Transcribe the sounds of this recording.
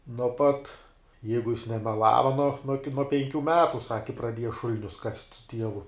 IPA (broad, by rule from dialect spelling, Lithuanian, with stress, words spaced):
nuɔ ˈpɐt ˈjɛɪɡʊ jɪs nʲɛmʲɛˈlˠɑːʋɐ nuɔ nuɔ kʲɪ pʲɛŋʲˈkʲuː ˈmʲæːtʊ ˈsɑːkʲɪ prɐˈdʲiɛjɛ ˈʃʊlʲnʲʊs kɐsʲtʲ sʊ ˈtʲiɛʋʊ